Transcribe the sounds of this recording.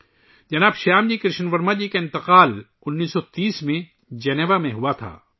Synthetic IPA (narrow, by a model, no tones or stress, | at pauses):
d͡ʒɐnaːbʃaːmd͡ʒikɾɪʃənʋɐɾmad͡ʒiːkaɪ̃nt̪ɪqaːl | ʊnːiːsɔt̪iːsmẽ | d͡ʒɛneːʋamẽɦuat̪ʰa̰ː